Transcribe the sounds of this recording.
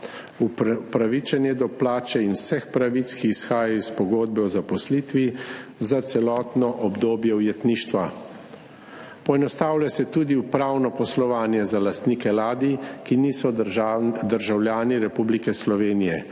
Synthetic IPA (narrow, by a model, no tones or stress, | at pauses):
uppɾaʋit͡ʃɛnjɛd̪ɔplaːt͡ʃɛinwsɛxpɾaʋit̪skiːsxaːjajɔispɔɡoːd̪̚bɛɔzapɔsliːt̪ʋizat̪sɛlɔːt̪nɔʔɔbd̪oːbjɛwjɛt̪niːʃt̪ʋa | pɔɛnɔst̪aːwlasɛt̪ud̪iupɾawnɔpɔslɔʋaːnjɛzalast̪nikɛlaːd̪ikiniːsɔ | d̪əɾʒawljaːniɾɛpublikɛslɔʋeːnijɛ